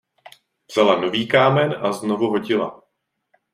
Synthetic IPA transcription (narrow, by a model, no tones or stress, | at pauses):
vz̥alano̞viːkaːmɛnʔazno̞vuɦo̞ɟɪla̰